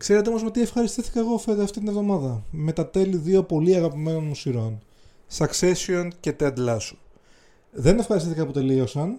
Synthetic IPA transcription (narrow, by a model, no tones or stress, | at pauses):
kse̞ɾet̪eo̞mo̞zmet̪ie̞fxɐɾist̪iθi̥kɐeɣo̞fet̪ɐft̪it̪inevðo̞mɐðɐme̞t̪ɐt̪e̞liðiopo̞liɐɣɐpime̞no̞nmusiɾo̞n | sɐkse̞sionce̞t̪ed̪lɐsu̥ | ðe̞nefxɐɾist̪iθikɐpot̪e̞liosɐn